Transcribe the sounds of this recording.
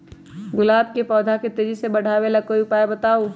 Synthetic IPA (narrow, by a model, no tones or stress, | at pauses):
ɡʊlaːb̚kepɔːd̪ʱaket̪eːd͡ʒisebəɽ̤ʱaːwelakoiʊpaːebət̪aːo